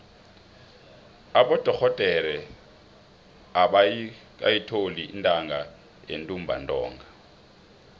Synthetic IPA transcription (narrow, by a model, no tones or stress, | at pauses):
aɓɔd̥ʼʱɔk͡xʰɔtʼɛɾɛ | aɓak̬ʼa̰jitʰolintʼaŋɡa | jḛntʼum̩bʱa̰ntʼɔ̰ːŋɡa